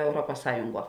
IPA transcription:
ɛʊˈruɔpɐs ˈsɑːjʊŋˌɡuɔ

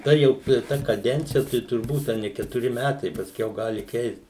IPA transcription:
tɐ ˈjɛʊ ɪr ˈtɐ kɐˈdʲɛnʲt͡sʲɪjɛ tɐɪ tʊrˈbuːt ɐ ˈnʲɛ kʲɛtʊˈrʲɪ ˈmʲætɐɪ pɐsʲˈkʲɛʊ ˈɡɑːlʲɪ kʲɛɪst

